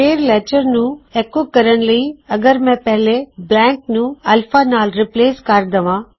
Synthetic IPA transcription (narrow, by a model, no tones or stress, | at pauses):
peːɾlɛːt͡ʃəɾnũekokɐɾəñlɐiɐɡəɾmɛ̃pɛɦleblɛ̃ːŋknũɐlfaːnaːlɾɪpleːskaːɾd̪ɐʋãː